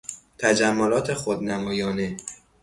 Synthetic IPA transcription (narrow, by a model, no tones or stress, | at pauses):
t̪ʰæd͡ʒæmːolɒːt̪ʰexod̪næmɒːjɒːne̞